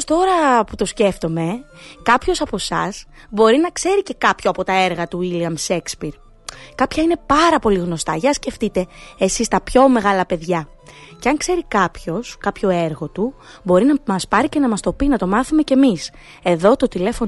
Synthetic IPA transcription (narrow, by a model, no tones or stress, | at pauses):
st̪o̞ɾɐput̪o̞sce̞ft̪o̞me̞kɐpço̞sɐpo̞sɐs | bo̞ɾinɐkse̞ɾice̞kɐpçoɐpo̞t̪ɐeɾɣɐt̪uiliɐmse̞kspiɾ | kɐpçɐine̞pɐɾɐpo̞liɣno̞st̪ɐʝɐsce̞ft̪it̪e̞ːsist̪ɐpço̞me̞ɣɐlɐpe̞ðʝɐ | ceɐŋkse̞ɾikɐpço̞skɐpço̞e̞ɾɣo̞t̪u | bo̞ɾinɐmɐspɐɾice̞nɐmɐst̪o̞pinɐt̪o̞mɐθume̞ce̞mis | e̞ðo̞t̪ot̪ile̞fo̞n